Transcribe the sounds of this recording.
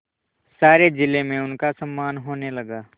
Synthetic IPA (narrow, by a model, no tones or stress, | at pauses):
saːɾed͡ʒɪlemẽʊnkasəmːaːnɦoːnelɐɡaː